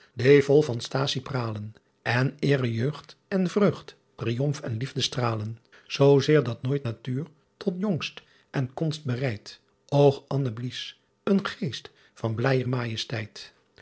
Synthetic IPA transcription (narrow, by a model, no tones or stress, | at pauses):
devɔlˠvɑnstaːsipraːlən | ʔɛnɪːrəjøɥχtɛnvrøχtːriɔmfɛnlivdəstraːlən | z̥owzɪːɹdɑtnoːjtnatyːɹ | tɔtjɔŋst | ʔɛnkɔnst̚bərɛjt | owχʔɑnəblis | ənχejst | fɑnblɛːjərmaːjəstɛjt